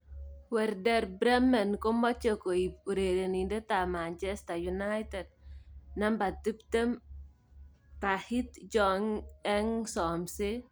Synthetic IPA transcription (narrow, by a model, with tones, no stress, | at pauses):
wɛ˨ɾdɛ˦ɾbɾɛ˦mɛ˨nko˦mɔ˦t͡ʃo˨ko˨i˨p̚u˨ɾe˨ɾe˨ni˨nde˦ta˨ma˨nt͡ʃɛsta˨ju˨najtɛ˨d̚na˦mba˨ti˦pte˦m | ta˨hi˦td͡ʒɔŋɛ˦ŋsɔ˨mse˦